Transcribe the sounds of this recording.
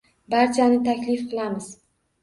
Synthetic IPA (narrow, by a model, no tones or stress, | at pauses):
baɾt͡ʃʰanɪt̪ʰakʲlɪfqʰɨlˠamɪz̥